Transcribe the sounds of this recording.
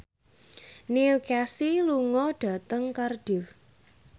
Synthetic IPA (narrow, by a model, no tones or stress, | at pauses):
nilkasiluŋɔɖ̥ä̤t̪əŋkarɖ̥ɪl